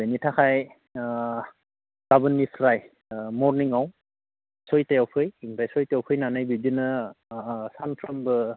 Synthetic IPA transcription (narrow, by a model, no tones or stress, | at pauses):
benitʰakʰaj | ɡ̥abɯnːipʰɾaj | mɔɾniŋaw | sɔjtajawpʰɯjiŋbajsɔjtejawpʰɯjnanɯjbidinɯ | sanpʰɾambɯ